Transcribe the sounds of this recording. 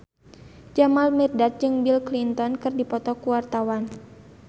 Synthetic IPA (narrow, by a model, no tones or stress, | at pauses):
d͡ʒamalmɛrdat̪̚d͡ʒɨŋbilklint̪ɔnkɨrdipɔt̪ɔkuwart̪awan